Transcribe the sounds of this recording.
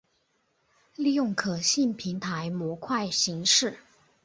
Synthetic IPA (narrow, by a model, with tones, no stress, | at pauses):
li˥˧jʊ˥˩ŋkʰɤ˨˩ɕi˥˩npʰi˧˥ŋt̪ʰa˧˥ɪmwɔ˧˥kʰwa˥˩ɪɕi˧˥ŋʂɻ̩˥˩